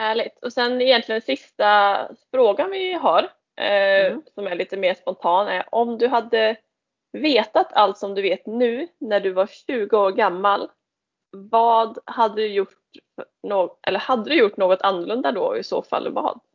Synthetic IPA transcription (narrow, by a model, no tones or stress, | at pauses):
hæːɭɪɡ̚t̪ʰɔsɛnɪjɛnt̪lɪɡənsɪst̪afɾoːɡanvɪɦɑɾ | sɔmæɭiːt̪əmeːʂpɔnt̪ʰɑːnæ̰ɾʔɔmd̪ɵɦad̪ːə | veːt̪at̪ʰalt̪sɔmd̪ɵveːt̪nʉ̟ːnæɖɵvaɾɕʉ̟ːɡəoːɾɡamːal | vɑːd̪had̪ːəd̪ɵjʊʈ | f | noːʔɛ̰lːəhad̪ːəd̪ɵjʊʈːnoːɡɔt̪ʰanːɵɭɵnd̪ad̪ɔ̰ɪ̰so̰ːfa̰lːvɑ̰ːd̪̥